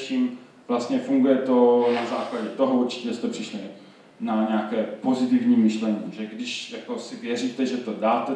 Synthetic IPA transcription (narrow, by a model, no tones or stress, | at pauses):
ʃiːm | v̥last̪ɲɛfuŋɡujɛt̪o̞nazaːklaɟɛt̪o̞ɦouɾt͡ʃɪ̥cɛst̪ɛpr̥ɪʃlɪ | naɲɛakɛːpo̞zɪt̪ɪvɲiːmɪʃlɛɲiːʒɛɡdɪʃjako̞sɪvjɛriːt̪ɛʒɛt̪o̞daːt̪ɛ